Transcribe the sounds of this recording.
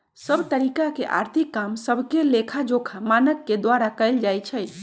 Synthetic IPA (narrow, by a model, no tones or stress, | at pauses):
səbt̪əɾikakeʔa̰ɾt̪ʰikːamsəbʱkelekʰad͡ʒokʰamanəkːed̪waɾakəɪld͡ʒajt͡ʃʰəj